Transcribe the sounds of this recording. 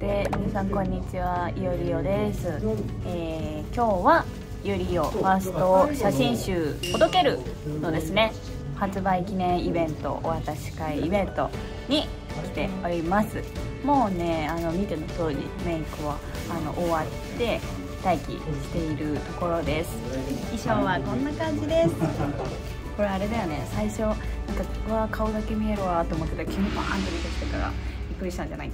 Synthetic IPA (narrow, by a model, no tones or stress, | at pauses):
emʲinasãŋkõ̞ɲ̟ːit͡ɕiβaijoɾʲijo̞d̪e̞sɨ | eː | kʲo̞ːβa | jɯɾʲijo̞ɸasɨ̥t̪o̞ɕaɕĩɰ̃ɕɨːt̪od̪o̞ke̞ɾɯ̟no̞d̪e̞sɨne̞ | hat͡sɨbaikʲinẽ̞ɰ̃ibẽ̞nt̪o̞̰ʔoβat̪aɕi̥kaiibẽ̞nt̪o̞ | ɲ̟i | kʲi̥t̪e̞oɾʲimasɨ | mo̞ːne̞ano̞mʲit̪emot̪o̞ːd͡ʑḭmẽ̞ikɯβaː | no̞̰ʔoβat̪ːe̞ | t̪aikʲḭɕi̥t̪e̞iɾɯ̟t̪o̞ko̞ɾo̞d̪e̞sɨ̥iɕoːβakõ̞nːakãɲ̟d͡ʑid̪e̞sɨ̥ | ko̞ɾe̞aɾe̞d̪ajone̞saiɕo̞nãŋkaβakʰaod̪ake̞mʲie̞ɾɯβat̪o̞ːmo̞kːed̪okʰʲimopa̰ã̰nt̪oɾʲit̪oɕi̥t̪ekaɾa̰b̥ʲikːɯɾʲiɕi̥t̪ãɲ̟d͡ʑa̰na̰i